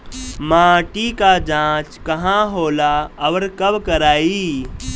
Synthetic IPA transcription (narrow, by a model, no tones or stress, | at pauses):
mãːʈikad͡ʒãːt͡ʃkɐɦãɦoːlaɐʋəɾkɐbkəɾaːiː